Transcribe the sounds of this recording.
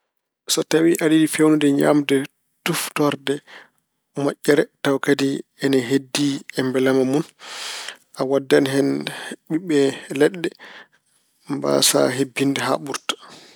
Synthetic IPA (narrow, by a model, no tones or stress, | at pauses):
sɔtawiʔaɗidifewnudɛɲa̰mdɛ | tuftɔɾdɛ | mɔʔʲːɛɾɛtawkadiɛnaɦedːiɛmbɛlamamun | ʔawadːanɦɛnɓiɓɛlɛɗːɛ | mba̰sa̰ɦebːindɛɦa̰ɓuɾtḁ